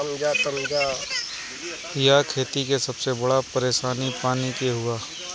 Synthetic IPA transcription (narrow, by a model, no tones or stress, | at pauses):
ɐmd͡ʒaːt̪əmd͡ʒaː | jakʰeːt̪ikesɐbsebɐɽapɐɾeːʃaːnipaːnikeɦʊaː